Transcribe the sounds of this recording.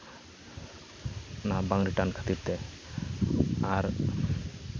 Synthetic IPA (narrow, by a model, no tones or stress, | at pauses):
nabaŋɾiʈankʰə̥t̪iɾt̪e | aɾ